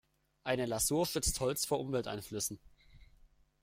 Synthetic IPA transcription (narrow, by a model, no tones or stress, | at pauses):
ʔaɪnəlazuːɐʃʏt͡sthɔlt͡sfoːɐʔʊmvɛltʔa̰ɪnflʏsn̩